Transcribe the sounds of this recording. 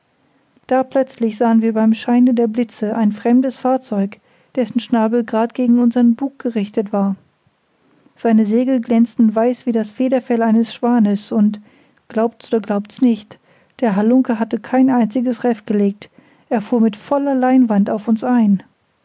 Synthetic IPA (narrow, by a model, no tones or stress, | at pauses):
d̥aːpʰl̥œt͡slɪçz̥aːənviːɐbaɪmʃaɪnədeːɐblɪt͡səʔaɪnfʁ̥ɛmdəsfaːɐt͡sɔʏk | d̥ɛsn̩ʃnaːbl̩ɡʁaːtɡ̥eːɡŋ̩ʊnzɐənbuːk̚ɡ̥əʁɪçtətv̥aːɐ | z̥aɪnəzeːɡl̩ɡlɛnt͡stn̩vaɪsv̥iːdasfeːdɐfɛlaɪnəsʃv̥aːnəsʊnt | ɡ̥laʊp̚tʔoːdɐɡlaʊptsnɪçt | d̥eːɐɦalʊŋkəɦatəkʰaɪnʔaɪnt͡sɪɡəsʁɛftɡ̥əleːk̚t | ʔeːɐfuːɐmɪtfɔlɐlaɪnvantaʊfʊnsʔaɪn